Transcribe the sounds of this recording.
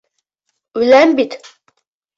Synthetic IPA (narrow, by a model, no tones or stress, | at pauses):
vlæmbit̪